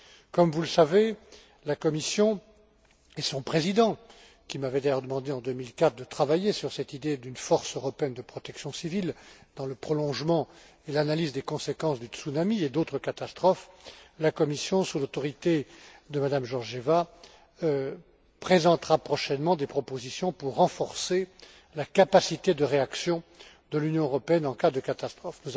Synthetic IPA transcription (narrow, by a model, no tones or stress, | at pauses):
kɔmvuləsave | lakɔmisjɔ̃ | esɔ̃pχezid̪ɑ̃ | kʲimavɛd̪ajœʁd̪əmɑ̃d̪eɑ̃d̪ømilkat̪χd̪ət̪χavajesyʁsɛt̪id̪ed̪ynfɔʁsøʁɔpeɛnd̪əpχɔt̪ɛksjɔ̃sivild̪̥ɑ̃ləpχɔlɔ̃ʒmɑ̃ | elanalizd̪ekɔ̃sekɑ̃sd̪yt̪sunamied̪ot̪χəkat̪ast̪χɔflakɔmisjɔ̃sulot̪ɔʁit̪ed̪əmad̪amʒɔʁʒeva | pχezɑ̃t̪χapχɔʃɛnmɑ̃d̪epχɔpozisjɔ̃puʁːɑ̃fɔʁse | lakapasit̪ed̪əʁeaksjɔ̃ | d̪əlynjɔ̃øʁɔpeɛnɑ̃kad̪əkat̪ast̪χɔfnuz